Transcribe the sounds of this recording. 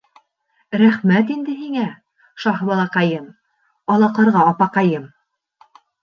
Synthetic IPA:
ɾæχmæt̪ind̪ɘɦiŋæ | ʃɑhbɑlˠɑqɑjɤm | ɑlˠɑqɤ̆ɾʁɑːpɑqɑjɤm

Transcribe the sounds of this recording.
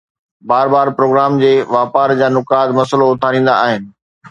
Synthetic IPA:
baːɾbaːɾpɾoːɡɾaːmd͡ʑeːʋaːpaːɾd͡ʑaːnʊkaːd̪mɐsəloʊt̪ʰaːɾĩːn̆d̪a̰aːɦɪnɪ̆

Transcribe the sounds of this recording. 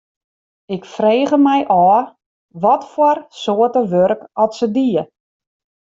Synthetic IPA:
ɪkfreːɣəmɛjʔɔː | ʋɔtfɔrsoətəʋørkɔtsədiə

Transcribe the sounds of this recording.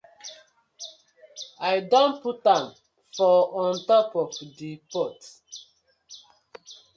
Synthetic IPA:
ajdɔ̃nputãm | fɔɔ̃ntɔpɔfdipɔt

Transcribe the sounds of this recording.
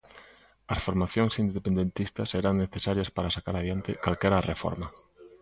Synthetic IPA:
ɐsfoɾmaθjoŋsind̪epend̪ent̪ist̪ɐseɾaŋneθesaɾjɐspaɾasakaɾaðjant̪ɪkalkɛɾarefɔ̰ɾmɐ

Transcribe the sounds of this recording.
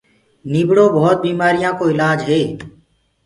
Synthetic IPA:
niːbɽõːbəɦːt̪̚biːmaːɾijãːkoːɪlaːd͡ʒɦeː

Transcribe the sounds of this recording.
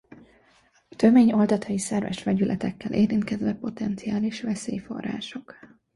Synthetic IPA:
ɒt̪ømeːɲo̞ld̪ɒt̪ʰɒisɛrvɛ̰ʃʋɛɟylʔɛt̪ɛkːɛlʔeːɾint̪kɛzʋɛpo̞t̪ɛnt̪sijaːliʃʋɛseːjfo̞̰rːa̰ːʃo̞k

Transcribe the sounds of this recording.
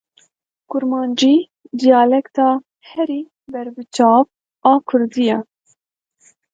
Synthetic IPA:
kʊɾmɑːnd͡ʒiː | d̪ijɑːlɛkt̪ɑː | hɛɾiː | bɛɾbɨt͡ʃɑːp̚ | ɑːkʰʊɾd̪ijɛ

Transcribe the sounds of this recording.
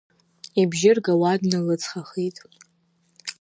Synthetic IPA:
ibʒɪrɡawadnɨlɨt͡sʰχaχitʼ

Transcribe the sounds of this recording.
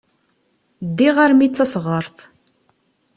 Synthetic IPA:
d̪ːiʁaɾmit͡sːæsʁəɾˤθ

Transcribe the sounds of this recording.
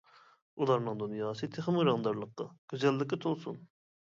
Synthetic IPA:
ulˠɑɾnɨŋd̪unjɑːsɨt̪ʰeχɪmuɾɑŋd̪ɑɾlˠəqːɑɡ̥ʲyzɛlːɪkʲɪt̪ʰolˠsṵn

